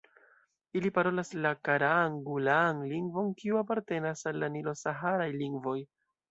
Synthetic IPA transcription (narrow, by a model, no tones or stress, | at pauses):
ilipaɾo̞laslakaɾaŋɡulanliŋɡvo̞nkiuapaɾte̞nasalːanilo̞saɦaɾajliŋɡvo̞j